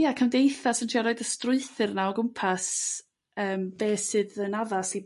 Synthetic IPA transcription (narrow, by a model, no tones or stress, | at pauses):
jakʰandejθasəntʰiaɾoɨdəstrʊɨθɨrnaɔɡʊmpʰas | əːmb̥eːsɨːðənaðasi